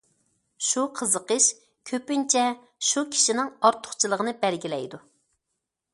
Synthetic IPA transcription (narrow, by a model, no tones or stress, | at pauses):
ʃuqʰəzəqəʃ | kʲʰøpynt͡ʃʰɛ | ʃukʲʰi̥ʃinɪŋɑɾt̪ʰːʊ̥χt͡ʃʰɨlˠəʁənɨbɛlɡʲilɛjd̪u